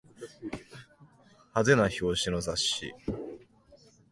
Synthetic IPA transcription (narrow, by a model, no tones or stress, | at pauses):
hazenaço̞ːɕino̞zaɕḭ